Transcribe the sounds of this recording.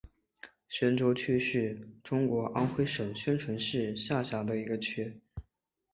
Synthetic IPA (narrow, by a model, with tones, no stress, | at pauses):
ɕɥɛ˧˥nʈ͡ʂo˧˥ʊt͡ɕʰy˥ʂɻ̩˥˩ʈ͡ʂʊ˥ŋkwɔ˧˥ʔa˥nxwe˥ɪʂɤ˨˩ŋɕɥɛ˥nʈ͡ʂʰwə˧˥nʂɻ̩˥˧ɕja˥˩ɕja˧˥d̪ə˧i˧˥ɡə˧t͡ɕʰy˥